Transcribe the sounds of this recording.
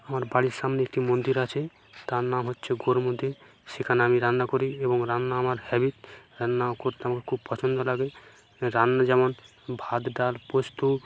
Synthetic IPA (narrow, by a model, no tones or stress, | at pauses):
amaɾbaɽiɾsamneek̚ʈimond̪iɾat͡ʃʰe | t̪aɾnamɦotːt͡ʃʰeɡoɾmond̪iɾ | sikʰanamiɾanːakoɾiebɔŋɾanːaːmaɾhɛbit̪ɾanːakoɾt̪eamakekʰub̚pɔt͡ʃʰɔnd̪ɔlaɡe | ɾanːad͡ʒɛmɔn | bʱad̪ɖalpost̪u